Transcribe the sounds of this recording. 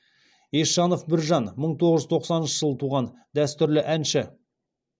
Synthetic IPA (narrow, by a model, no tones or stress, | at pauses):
eʃɑno̞fbɪɾʒɑnməɴt̪ʰo̞ʁəʒʏzt̪ʰo̞qsɑnənʃəʒ̥əlˠət̪ʰuʁɑn | d̪æst̪ʏɾlɪʔænʃɪ